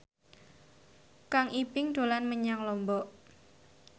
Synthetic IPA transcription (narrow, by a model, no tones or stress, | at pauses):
kaŋʔipɪŋd̪̥o̤lanməɲaŋlɔmbɔʔ